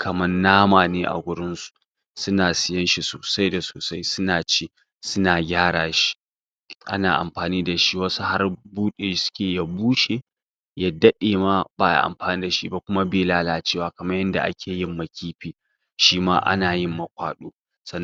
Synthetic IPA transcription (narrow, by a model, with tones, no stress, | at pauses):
kʰɐ˨mɐ˦rnaː˦maː˨neː˦ʔa̰˨ɡʷʊ˦ɽɪ˦nsu̥˨ | sʊ˦naː˨sɪ˦jɐ˦nʃi˨soː˨sa˦jda˨soː˨sa˦jsʊ˦naː˨t͡ʃiː˦ | sʊ˦naː˨ɡʲaː˦ɽaː˨ʃi̥˦ | ʔa̰˦naː˨ʔa̰˨mɸaː˨niː˦da˨ʃi˦wɐ˦su˦ha˦rbuː˦ɗeː˨sʊ̥˦kʲeː˨ja˨buː˦ʃeː˨ | ja˦dɐ˦ɗeː˨ma˦baː˦ja̰˨ʔa̰˨mɸaː˨niː˦da˨ʃḭ˦ba˦˨kʷʊ˦ma˦beː˨laː˦laː˨t͡ʃeː˦˨waː˨kɐ˨mɐ˦jːɐ˦nda̰˨ʔa̰˦kʲʰeː˨jɪ˦mːɐ˨kʲʰiː˦ɸiː˦ | ʃiː˦maː˦ʔa̰˦naː˨jɪ˦mːɐ˨kʷa̰ː˨ɗuː˦ | sɐ˦˨nː˦